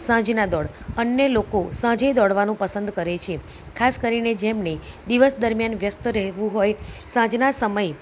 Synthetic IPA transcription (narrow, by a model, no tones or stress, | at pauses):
sãd͡ʒnad̪ɔɽ | ənjəlokosãd͡ʒəjd̪ɔɽʋanũpəsənd̪kəɾet͡ʃʰie | kʰaskəɾined͡ʒɛmned̪iʋəsd̪əɾmjanʋjəst̪ɾəɦʋũɦojsãd͡ʒnasəməj